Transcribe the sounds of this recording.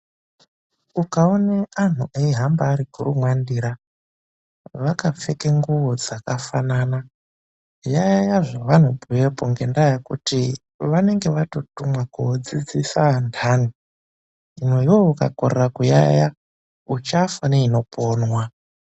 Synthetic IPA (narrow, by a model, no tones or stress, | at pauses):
ukaonean̤ṵʔeiɦambaːɾiɡʱurumwandiɾa | ʋakap͡fe̞keŋɡuʋo̞d͡zakafanaːna | jajjaʐoʋan̤ubujepoŋɡe̞ndajakuti | ʋane̞ŋɡe̞ʋato̞tumwakud͡zid͡zisandʰani | inoiwo̞uka̰korerakuja̰ja | ut͡ʃafaneino̞pʰoːnwa